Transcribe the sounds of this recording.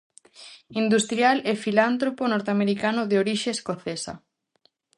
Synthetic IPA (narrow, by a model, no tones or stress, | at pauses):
ind̪ust̪ɾjalefilant̪ɾoponoɾt̪eameɾikanoðeoɾiʃeːskoθesa̰